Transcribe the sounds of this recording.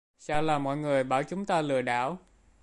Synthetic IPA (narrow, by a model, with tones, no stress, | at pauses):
saː˧wlaː˨˩mɔ̰˧˨jŋɨ˨˩əjɓaː˧˩wt͡ɕʊ˨˦ŋ͡mt̪aː˧lɨ̰˧˨əɗa̰ː˧˥˨w